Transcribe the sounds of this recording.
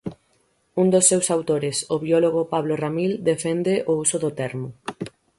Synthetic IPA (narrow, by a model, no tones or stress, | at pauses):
und̪osːewsawt̪oɾɪsoβiɔloɣ̞ʊpaβloramild̪efɛnd̪eʔousʊðʊt̪ɛɾmʊ